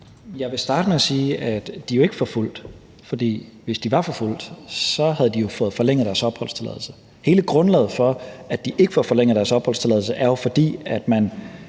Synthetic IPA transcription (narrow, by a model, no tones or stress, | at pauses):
jɑ̈ɪʋe̝sd̥ɑ̈ːd̥əmeæsiːæd̥d̥ijo̝e̝ɡ̥əfɒ̽ful̰d̥ | fɒ̽d̥ḭː | ʋe̝sd̥iʋɑ̈fɒ̽ful̰d̥sɒ̽hæð̞̩ˠd̥ijo̝fɔ̽ːð̩ˠfɒ̽leŋ̰ð̩ˠd̥æɐsɒ̽b̥hɒ̽l̰st͡sʰelɛ̰ːðˠl̩sə | he̝ːləɡ̥ʁɔ̽nlɛ̰ːð̩ˠfɒ̽æd̥iʔe̝ɡ̥ə̥fɒfɒ̽leŋ̰əð̩ˠd̥æɐsɒ̽b̥hɒ̽l̰st͡sʰe̝lɛðˠl̩səʔæɐjo̝fɒ̽d̥ḭːæd̥mæn